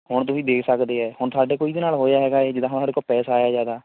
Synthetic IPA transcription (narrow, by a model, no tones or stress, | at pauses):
hʊɳt̪̬ʊsĩːd̪eːkʰsəkd̪eːɛːhʊɳt̪aːɖeːkoːiːd̪eːnaːlɦoːjaːɦɛːɡaːeːd͡ʒɪd̪ãːɦʊnsaːɖeːkoːpɛːsaaːjaːd͡ʒaːd̪aː